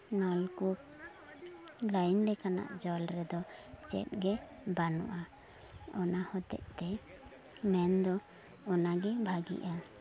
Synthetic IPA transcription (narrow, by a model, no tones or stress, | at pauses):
nɔlkup̚ | lajnɖɛkana̰ʔd͡ʒɔlɾɛd̪ɔt͡ʃɛ̰t̚ɡɛbanɔ̰ʔa | ɔnahɔt̪ɛ̰ʔt̪ɛ | mɛnd̪ɔ | ɔnaɡɛbʱaɡḭʔa